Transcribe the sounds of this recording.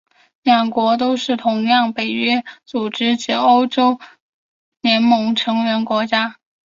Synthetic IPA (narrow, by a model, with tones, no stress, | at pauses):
ljɑ˨˩ŋkwɔ˧˥t̪̬o˥ʊʂɻ̩˥˩t̪ʰʊ˧˥ŋjɑ˥˩ŋpe˨˩ɪɥɛ˥t͡su˨˩ʈ͡ʂɻ̩˥t͡ɕi˧˥o˥ʊʈ͡ʂo˥ʊ | njɛ˧˥nmɤ˧˥ŋʈ͡ʂʰɤ˧˥ŋɥɛ˧˥nkwɔ˧˥t͡ɕja˥